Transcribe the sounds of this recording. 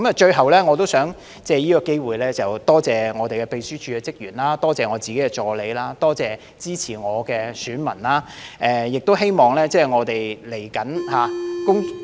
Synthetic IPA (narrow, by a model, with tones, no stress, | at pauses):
kɐ˨˥mɐ˨t͡ʃɵ˧ɥɦɐ˨wlɛː˥ŋɔː˨˧t̪o˥wsœː˨˥ŋ | t͡sɛː˧jiː˥kɔː˧ke˥jwuː˨jlɛː˥t͡sɐ˨˩wt̪ɔː˥t͡sɛː˨˩ŋɔː˨˧t̪e˨jkɛ˧pe˧jsyː˥t͡ʃʰyː˨˧kɛ˧t͡sɪ˥k̚jyː˨˩nlaː˥t̪ɔː˥t͡sɛː˨˩ŋɔː˨˧t͡siː˨ke˨˦jkɛ˧t͡ʃɔː˧le˨˧jlaː˥t̪ɔː˥t͡sɛː˨ | t͡siː˥t͡sʰiː˨˩ŋɔː˨˧kɛː˧syː˨˥nmɐ˨˩nlaː˥ʔɛ˧jɪ˨k̚t̪o˥wɦe˥jmɔː˨˩ŋlɛː˥t͡sɛː˥˩ŋɔː˨˧t̪e˨jle˨˩jkɐ˨˥nhaː˨˧kʊ˥ŋ